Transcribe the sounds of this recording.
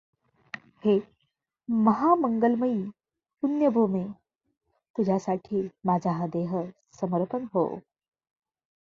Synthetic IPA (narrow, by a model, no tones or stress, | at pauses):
he | məɦaməŋɡəlməiː | unjəbʱume | t̪ud͡ʑʱasaʈʰiːmad͡ʑʱaɦd̪eɦə | səməɾpənɦo̰